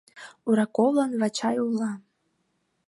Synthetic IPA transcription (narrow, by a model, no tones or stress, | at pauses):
uɾɑkovlˠɤnvɑt͡ɕɑjulːɑ